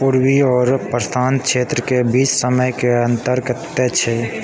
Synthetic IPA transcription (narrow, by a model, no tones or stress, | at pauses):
puɾwiɔːɾpɾəst̪ʰanʃʰeːt̪ɾəkebit͡ʃsəməjkeə̃nt̪əɾɡət̪ːet͡ʃʰɛ